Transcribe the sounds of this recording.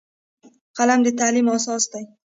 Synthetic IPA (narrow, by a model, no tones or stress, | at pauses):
qʰɑlamd̪et̪ʰalimɒsɒst̪aj